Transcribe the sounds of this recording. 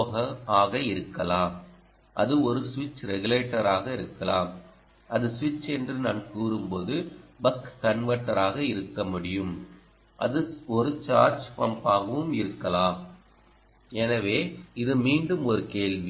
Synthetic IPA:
ɣɐaːɣɐɪɾɯkːɐlaː | ʔɐ̰ðɯɔɾɯsʋɪt͡ʃːɾɛɣɯleːʈːɐɾaːɣɐɪɾɯkːɐla̰ːm | ɐðɯsʋɪt͡ʃːɛndrɯnaːnkuːɾɯmpoːðɯbɐkːɐɳʋɐʈːɐɾaːɣɐɪɾɯkːɐmʊɽɪjɯm | ʔɐ̰ðɯɔɾɯt͡ʃaːɾt͡ʃpɐmpaːɣɐʋɯmɪɾɯkːɐlaː | ɛnɐʋeːɪðɯmiːɳɖɯmɔɾɯkeːɭʋi

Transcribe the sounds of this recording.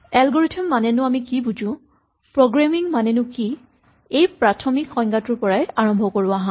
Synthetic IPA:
ɛlɡɔɹitʰɔmːanɛnʊamikibud͡ʒʊ̃ | pɹoɡɹamiŋmanɛnʊki | ejpɹatʰɔmikxɔŋɡatʊɹpɔɹajaɹɔmbʱɔkoɹʊaɦã

